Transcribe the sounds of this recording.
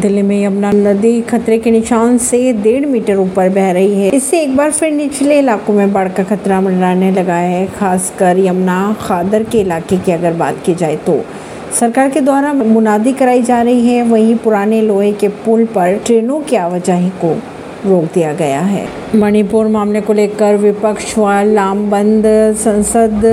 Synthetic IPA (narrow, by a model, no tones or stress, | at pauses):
d̪ɪlimẽjɐmnanɐd̪ixɐt̪ɾekenɪʃaːnsed̪eːɽmiːʈəɾuːpəɾbɛɦɾɐɦiɦɛɪsːeeːk̚baːɾfɪɾnɪt͡ʃleɪlaːkõmẽbaɽkaxɐt̪ɾamɐnɾaːnelɐɡaɦɛxaːskɐɾjɐmnaxaːd̪əɾkeɪlaːkekiɐɡəɾba̰ːt̪kid͡ʒaːet̪o̰ː | sɐɾkaːɾked̪aːɾaːmɐmʊnaːd̪ikɐɾaːid͡ʒaːɾɐɦiɦɛʋɐɦĩpʊɾaːneloːɦẽkepʊlpɐɾʈɾeːnõkeaːʋɐd͡ʒaɦĩko | ɾoːk̚d̪ijaɡɐja̰ɦɛ̰ː | mɐñipuːɾmaːmlekoleːkɐɾʋɪpəkʃʋalaːmbɐ̃nd̪sɐ̃nsəd̪